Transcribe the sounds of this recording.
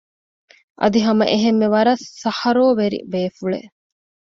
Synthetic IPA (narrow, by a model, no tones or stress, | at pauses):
ʔɐ̰d̪iɦɐmɐ̰ʔeɦemːeʋɐɾɐsːɐhɐɾoːʋeɾḭbeːfuɭḛʔ